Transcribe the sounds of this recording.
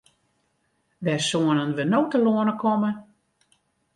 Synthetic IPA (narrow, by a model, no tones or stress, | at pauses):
ʋɛsoənənʋənowtəloənəkʰɔmə